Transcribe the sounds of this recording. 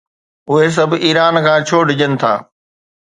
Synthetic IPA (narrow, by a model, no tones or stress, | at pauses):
ʊɦes̬ɐbʱiːɾaːnkʰãːt͡ɕʰoːɖʱɪd͡ʑənɪ̆t̪ʰa̰ː